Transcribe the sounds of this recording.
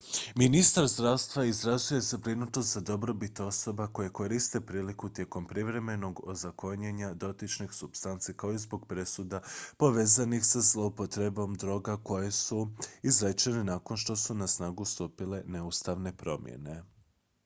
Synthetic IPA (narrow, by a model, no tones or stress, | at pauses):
minist̪aɾzd̪ɾaʋst̪ʋaizɾazuje̞zabɾinut̪nost̪zad̪o̞bɾo̞bit̪o̞so̞bako̞jeko̞ɾist̪e̞pɾiːlikut̪je̞ko̞mpɾiʋɾe̞me̞no̞ɡo̞̰zako̞ɲeɲad̪o̞t̪it͡ʃnixsubst̪ant̪sikaoizbo̞ɡpɾe̞sud̪apo̞ʋe̞ːzanixsazlˠo̞upo̞t̪ɾe̞bo̞md̪ɾo̞ːɡako̞je̞suizɾet͡ʃenenaːko̞nʃt̪o̞sunasnaːɡust̪uːpile̞ne̞ust̪aʋne̞pɾo̞mjḛne̞